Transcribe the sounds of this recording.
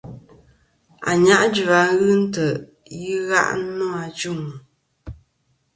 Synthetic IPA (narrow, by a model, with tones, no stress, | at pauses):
a̰˨ɲa˦ʔd͡ʒu˨a˨ɣɨ˦n̩˦tə˨ʔ | ji˦ɣa̰˦ʔnɔ˦a˨t͡ʃu˦ŋ˨